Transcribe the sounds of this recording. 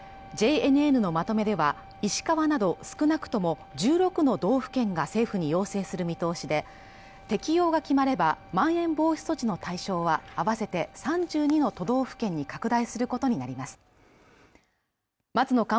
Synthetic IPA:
d͡ʑe̞enɯ̟enɯ̟no̞mat̪o̞me̞d̪e̞βa | iɕi̥kaβanad̪o̞sɨ̥kɯ̟nakɯ̥t̪o̞mo̞ | d͡ʑɨːɾo̞kɯ̟no̞d̪o̞ːɸɯ̥kẽ̞ŋɡase̞ːɸɯ̟ɲ̟ijo̞ːse̞ːsɨɾɯ̟mʲit̪o̞ːɕid̪e̞ | t̪e̞kʲijo̞ːɡakʲimaɾe̞bamãɰ̃ẽ̞mbo̞ːɕi̥so̞t͡ɕino̞t̪aiɕo̞ːβaːβase̞t̪e̞sãɲ̟d͡ʑɨːɲ̟ino̞t̪o̞d̪o̞ːɸɯ̟̥kẽ̞ɲ̟ːikakɯ̟d̪aisɨɾɯ̟ko̞t̪o̞ɲ̟inaɾʲimasɨ̥ | mat͡sɨno̞kã

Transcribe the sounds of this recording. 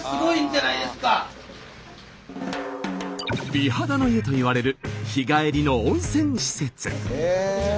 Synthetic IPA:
sɨɡo̞ĩɲdenaid̪e̞sɨ̥ka | b̥ʲiɦad̪ano̞iet̪o̞iβaɾe̞ɾɯ̟çiɡaeɾʲino̞õɰ̃sẽ̞ɰ̃ɕi̥se̞t͡sɨ

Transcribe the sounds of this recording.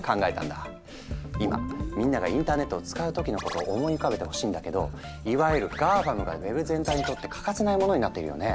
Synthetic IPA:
kãŋɡae̞t̪ã̰nd̪a | ima̰mʲĩnːaɡa̰ĩnt̪aːne̞t̪ːoːt͡sɨ̥kaɯ̟t̪o̞kʲino̞ko̞t̪o̞ːʔːmo̞iokaβbe̞t̪e̞ho̞̥ɕiːnd̪ake̞d̪o̞̰ | iβaɯɾɯ̟ɡaːbamɯ̟ɡa̰βe̞bɯ̟zẽ̞nt̪aiɲ̟it̪o̞t̪ːe̞kʰḁkasenaimo̞no̞ɲ̟inat̪ːe̞iɾɯ̰jo̞̰ne

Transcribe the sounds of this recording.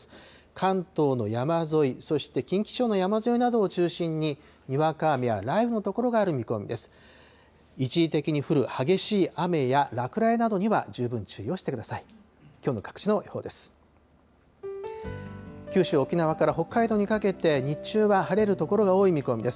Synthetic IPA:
kʰãnt̪o̞ːno̞jamazo̞iso̞ɕi̥t̪e̞kʲĩŋkʲi̥t͡ɕo̞ːno̞jamazo̞inad̪o̞ːt͡ɕɨːɕĩɲ̟ːi | ɲ̟iβakaːmʲija̰ɾaibɸɯ̟no̞t̪o̞ko̞ɾo̞ɡaːɾɯ̟mʲiko̞mʲḭd̪e̞sɨ̥ | it͡ɕiːt̪e̞kʲiɲ̟iɸɯ̟ɾɯ̟haɡe̞ɕiːʔame̞jaɾakɯ̟ɾaenad̪o̞ɲ̟iβa̰d͡ʑɨːbɯ̟̃ɲ̟t͡ɕɨːijo̞ːɕi̥t̪e̞kɯ̟d̪asai | kʲo̞ːno̞̰kḁkɯ̥t͡ɕino̞iho̞̰ːd̪e̞sɨ̥ | kʲɨːɕɨːo̞kʲinaβ̞akaɾaho̞kːaid̪o̞ɲ̟ikake̞t̪e̞ɲ̟it͡ɕɨːβahaɾe̞ɾɯ̟t̪o̞ko̞ɾo̞ɡao̞ːimʲiko̞mʲid̪e̞sɨ̥

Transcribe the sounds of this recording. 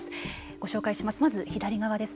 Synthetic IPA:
sɨ̥ | ɡ̥o̞ɕo̞ːkaiɕimasɨmazɨçid̪aɾʲiɡaβad̪e̞sɨ̥

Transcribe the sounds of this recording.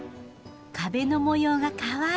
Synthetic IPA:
kabe̞no̞mojoːɡakaβa

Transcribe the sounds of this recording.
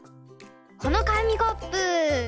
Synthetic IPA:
kʌnʌkamiɡʌpɯ

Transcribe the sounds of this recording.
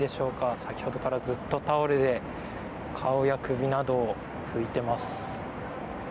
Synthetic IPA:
d̪e̞ɕo̞ːkasakʲi̥ho̞d̪o̞kaɾazɨt̪ːo̞t̪ao̞ɾed̪e̞ | kʰao̞jakɯ̟bʲinad̪o̞ː | ɸɯ̟it̪e̞masɨ̥

